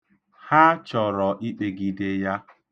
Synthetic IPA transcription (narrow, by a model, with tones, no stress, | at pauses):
ha˦t͡ʃɔ˨ɾɔ˨ʔi˦k͡pe˨ɡi˨de˦ja˦